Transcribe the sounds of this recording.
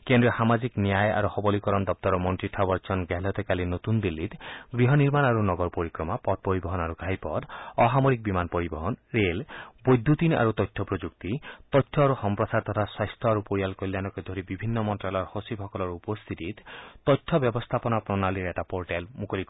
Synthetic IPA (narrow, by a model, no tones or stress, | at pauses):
kend̪ɾihamad͡ʒiknijaja̰ɾuxɔbɔlikɔɾɔnd̪ɔp̚t̪ɔɾɔmɔnʈɾiʈʰabɔɾt͡ʃʰɔnɡɛɦlɔt̪ɔkalinot̪und̪ilːit̪ɡɾiɦɔniɾmanaɾunɔɡɔɾpoɾikɾɔmapɔd̪̚poɾibɔɦɔnaɾuɡʱajpɔd̪ɔɦamoɾik̚bimanpɔɾibɔɦɔnɾelbojd̪ʱːut̪ina̰ɾut̪ɔjt̪ʰːɔpɾod͡ʒuk̚t̪it̪ɔjt̪ʰːɔaɾuhɔmpɾɔsaɾt̪ɔt̪ʰaswajst̪ʰɔaɾupoɾijalkɔjlːjanɔkɔjd̪ʱoɾibibʱinːɔmɔntɾalɔɾhosibʰʱɔkɔlɔɾupɔst̪ʰit̪it̪t̪ɔjt̪ʰːɔbjɔbɔst̪ʰapɔnapɾɔnaliɾeʈapɔɾʈalmukɔlikɔ